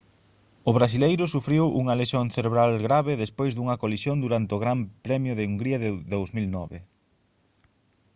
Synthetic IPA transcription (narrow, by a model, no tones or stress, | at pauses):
ʊβɾasilejɾʊsufɾiwṵŋɐleʃonθeɾeβɾalɣɾaβeðespojzðuŋɐkolisjond̪uɾant̪ɪʊɣɾampɾɛmjʊðeuŋɡɾiɐðeðowzmilnɔβe